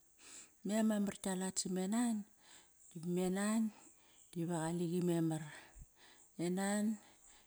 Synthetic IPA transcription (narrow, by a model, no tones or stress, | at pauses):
memamartalatsimenan | d̥ibimenan | d̥iβaɣaliɡimemar | enan